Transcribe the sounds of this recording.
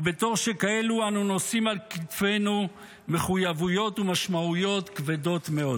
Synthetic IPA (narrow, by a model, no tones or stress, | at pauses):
bet̪o̞ʁʃekae̞luanuno̞simalkit̪ve̞nu | me̞χujavujo̞t̪umaʃmaujo̞t̪kvedo̞t̪meo̞d